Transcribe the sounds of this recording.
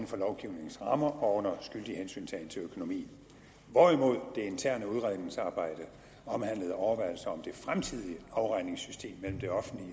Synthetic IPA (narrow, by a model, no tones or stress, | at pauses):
n̩fɒ̽lɒʊɡ̥iʊ̰ne̝ŋ̩sʁɑ̈mɐʔɒ̽ɔ̽n̰ɐsɡ̥yl̰d̥ihensy̰ːnt͡sʰɛɪnt͡sʰe̝økʰo̝no̝mḭːn̩ | ʋɒ̰imo̝ð̞̰ˠd̥e̝e̝nt͡sʰæɐ̰nəuð̞ˠʁɑðˠneŋsɑ̈ːb̥ɑ̈ɪ̰d̥ə | ɒ̽mhæn̰ləð̞̩ˠɒʊɐʋɑɪl̩sɐɒ̽md̥e̝fʁamt͡sʰið̰ˠiɑ̈ʊʁɑ̈ɪ̰ne̝ŋsysd̥e̝̰ːmːel̰m̩d̥e̝ɒ̽fn̩d̥li